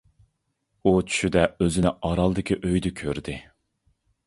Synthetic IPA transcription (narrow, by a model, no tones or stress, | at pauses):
ut͡ʃʰy̥ʃyd̪ɛøzɪnɪʔɑɾɑlˠd̪ɨkʲʰiʔøjd̪ɪkʲʰøɾd̪ɪ